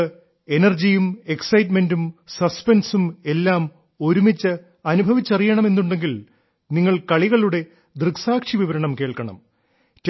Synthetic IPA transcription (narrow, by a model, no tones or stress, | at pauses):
enɐrd͡ʑijume̞ksɐjtme̞ndumsɐspensume̞lːaːm | o̞ɾumit͡ɕːɨ | ɐnubʱɐʋit͡ɕːɐrijɐɳɐme̞nːuɳɖe̞ŋɡil | niŋːɐɭkɐɭiɣɐɭuɽe̞ | d̪rɨksaːkʂiʋiʋɐɾɐɳɐmke̞ːɭkɐɳɐ̰m | t